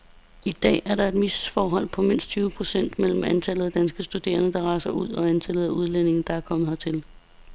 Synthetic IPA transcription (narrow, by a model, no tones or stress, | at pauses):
id̥ɛ̰ːæɐɾɑ̈e̝d̥misfɒːɦɒ̽l̰pʰɒ̽me̝n̰sd̥̚t͡sʰyːʊəpʰʁo̝sen̰d̥mel̰m̩ænt͡sʰɛləð̞̩ˠæd̥ænsɡ̥əsd̥ud̥e̝̰ːɐnəd̥ɑ̈ʁɑ̈ɪsɐuð̞̰ˠɒ̽ænt͡sʰɛlð̩ˠæuð̞ˠlene̝ŋn̩d̥ɑ̈æɐkʰɒ̽mð̩ˠhɑt͡sʰe̝l